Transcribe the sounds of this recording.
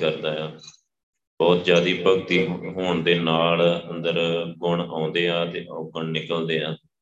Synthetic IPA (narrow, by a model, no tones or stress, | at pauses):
kəɾd̪aːaː | bɔːt̪d͡ʒjaːd̪iːpəɡ̚t̪iːɦoːɳd̪eːnaːlənd̪əɾkʊɳãːnd̪eːãːt̪eːʔokəɳnɪkəld̪eːaː